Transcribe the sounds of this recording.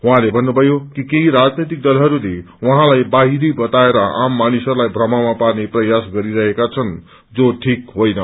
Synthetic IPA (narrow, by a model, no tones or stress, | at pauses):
wɦãlebʱʌnːubʱʌjokikeɦiɾad͡znʌjt̪ik̚d̪ʌlɦʌɾule | wʌɦãlajbaɦidibʌt̪aeɾʌamːanisʌɾulajbʱrʌmamaparneprʌjasɡʌɾiɾʌɦekat͡sʰʌn | d͡zoʈʰikɦojnʌ